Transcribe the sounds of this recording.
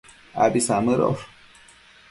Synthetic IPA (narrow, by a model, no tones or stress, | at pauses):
a̰bisamɨɾo̰f